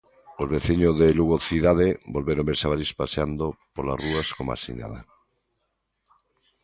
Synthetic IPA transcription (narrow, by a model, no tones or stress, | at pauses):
ozβeθiɲoðeluɣoθiðaðebolβeɾombeɾsaβaɾispaseand̪opola̰ruaskoma̰sḭɲa̰ða̰